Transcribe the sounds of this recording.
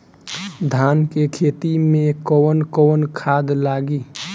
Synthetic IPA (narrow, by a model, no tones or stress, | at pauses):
d̪ʱaːnkekʰeːt̪imẽkɔːnkɔːnkʰaːd̪laːɡiː